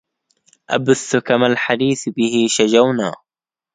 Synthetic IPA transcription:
ʔabʊθːʊkamalħad̪iːθbɪhɪʃad͡ʒawnaː

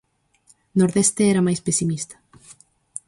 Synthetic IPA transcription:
noɾðest̪eɛɾɐmajspesimist̪ɐ̥

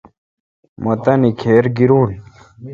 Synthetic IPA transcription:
mɐt̪ɐnikʰeːɾɡiɾuːn

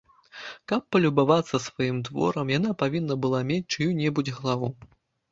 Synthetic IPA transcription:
kɐpːɐlʲubavat̪sːɐsvajimd̪vɔ̰ɾɐmjanapavʲinːɐbɨlˠamʲet͡sʲt͡ʂɨjunʲɛbud͡zʲɣɐlˠavu

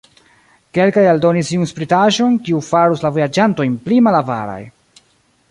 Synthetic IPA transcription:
ke̞lkajaldo̞nisiunspɾitaʒo̞nkiufaɾuslavojad͡ʒanto̞jnplimalava̰ɾa̰j

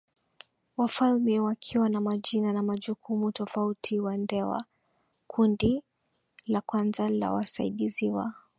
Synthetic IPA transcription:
wafalmiwakʰiwanamaʄinanamaʄukʰumutɔfautʰiwandɛwa̰ | kʰundi | lakwanzala̰wa̰saḭɗiziwa

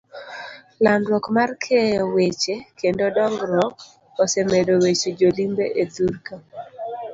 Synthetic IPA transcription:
landwɔkmarkʰejɔwet͡ʃekendodɔŋɡɾɔk | ɔsɛmedowet͡ʃed͡ʒolimbeʔeduɾka

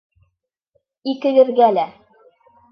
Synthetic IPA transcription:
ikɘ̆ɡɘ̆ðɡælæ

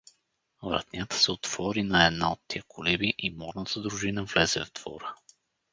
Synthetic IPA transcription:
vɾa̰t̪nʲat̪ə̥sɛot̪v̥ɔɾinɐɛd̪naot̪ːijəkʰʊlɛbiʔimɔɾnat̪ʰəd̪ɾʊʒinəvlɛzɛ̰vd̪v̥ɔ̰ɾə

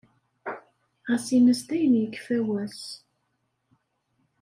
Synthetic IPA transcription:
ʁæsinəst̪æjənjəkːfæwæs

